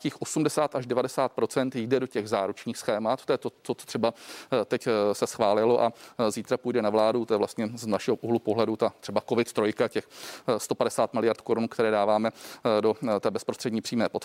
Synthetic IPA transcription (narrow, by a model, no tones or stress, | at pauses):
ciːxʔo̞sumdɛsaːt̪aʒdɛvadɛsaːt̪̚pɾo̞t͡sɛnt̪jidɛdocɛɣzaːɾut͡ʃɲiːxsxɛːmat̪t̪ojɛt̪ot͡sot͡so̥t̪r̥ɛbat̪ɛcsɛsxvaːlɪloʔaziːt̪ɾapuːjdɛnavlaːdut̪ojɛvlast̪ɲɛznaʃɛɦoʔuɦlupoɦlɛdut̪at̪r̥ɛbako̞vɪt̪t̪ɾojkacɛxst̪o̞padɛsaːt̪mɪlɪjaɾt̪koɾunkt̪ɛɾɛːdaːvaːmɛdo̞t̪ɛːbɛspɾost̪r̥ɛdɲiːpr̥iːmɛːpot̪